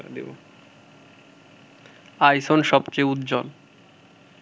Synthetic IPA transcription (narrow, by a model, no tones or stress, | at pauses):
ad̪ebo̰ | ajsonʃɔbt͡ɕejut̪d͡ʑɔl